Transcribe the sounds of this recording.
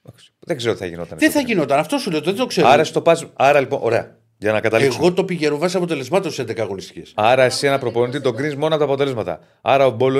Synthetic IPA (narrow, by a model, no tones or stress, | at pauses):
oksi̥ðeɡze̞ɾot̪i̥θɐʝino̞t̪ɐ̰nðeθɐʝino̞t̪ɐnɐft̪o̞suleot̪ðet̪okse̞ɾɐɾɐsit̪o̞pɐzɐɾɐliponʔo̞̰ɾe̞ɐ̰ | ʝɐnɐkɐt̪ɐliesɣo̞t̪o̞piʝeɾovɐsɐpot̪e̞le̞zmɐt̪ossend̪ekɐɣo̞nist̪i̥cḛsɐɾɐesienɐpɾo̞po̞nit̪it̪o̞ɡɾinzmo̞nɐot̪ɐːpot̪e̞le̞zmɐt̪ɐ̰ | ɐɾɐobo̞lo